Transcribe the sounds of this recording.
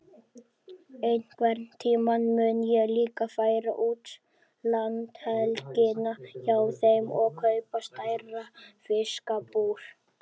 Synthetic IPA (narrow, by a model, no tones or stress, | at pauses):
ejnkvɛɾt̪t̪ʰiːmanmʏnjɛɣliːkafaːjɾa̰ʔuːt̪ | lant̪hɛðlcɪnaçawθejmɔɣkʰœɥpast̪aːjrafɪskapuːɾ̥